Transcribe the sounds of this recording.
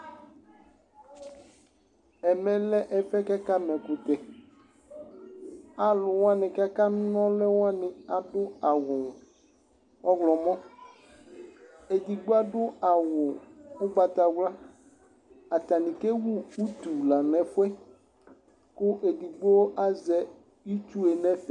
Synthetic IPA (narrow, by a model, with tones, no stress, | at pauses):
ɛ˨mɛ̃˨lɛ˦ʔɛ˨fɛ˦ka˦ka˦mɛ̃˨kʊ˨t̪ɛ˨ | a˨lʊ˨wa˦nɛ̃˨ka˦ka˦nɔ̃˦lɛ˦wo˦a˦nɪ̃˨a˨dʊ˦a˨wʊ˨ | ɔ˦ɡlɔ˨mɔ̃˦ | e˨di˨ɡ͡bo˦a˦dʊ˦a˨wʊ˨ʊ˦ɡ͡ba˨t̪a˨wla˦ | a˨t̪a˨nɪ̃˨ke˦wu˦u˦t̪u˨la˨nɛ˨fʊ˦ɛ˦ | kʊ˦ʔe˨di˨ɡ͡bo˦wo˦ʔa˦zɛ˨˦ | i˦t͡ʃu˦e˨nɛ̃˦fɛ˨